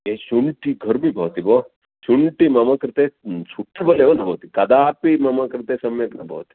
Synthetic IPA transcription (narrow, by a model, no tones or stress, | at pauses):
jeɕuɳʈiɡʱəɾmibʱɐʋt̪ibo | suɳʈimɐmɐkɾt̪esuʈːiboleʋɐnɐbʱɐʋt̪ikɐd̪aːpimɐmakɾɪt̪esɐmeknɐbʱɐ̰ʋt̪i̥